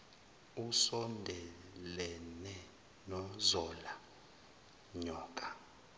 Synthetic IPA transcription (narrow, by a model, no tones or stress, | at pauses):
usɔndʱɛlɛnɛ | nɔzɔla | ɲɔːkʼa